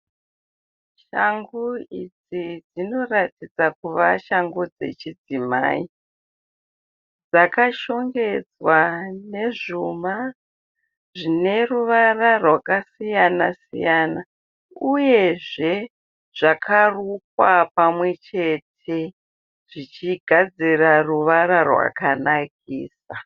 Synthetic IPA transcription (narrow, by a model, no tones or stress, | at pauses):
ʃaŋɡuid͡zid͡zino̞ratid͡zakuʋaʃaŋɡud͡ze̞̰t͡ʃid͡zima̰ːi | d͡zakaʃo̞ŋɡe̞d͡zwane̞ʐuma | ʐine̞ruʋararwakasijana̰sḭjana | uje̞ʐe̞ | ʐ̥akʰaruk̚wapamwe̞t͡ʃe̞tʰe̞ | ʐ̥it͡ʃiɡʱad͡ziraruʋaɾarwa̰kanak̚ʰiːsa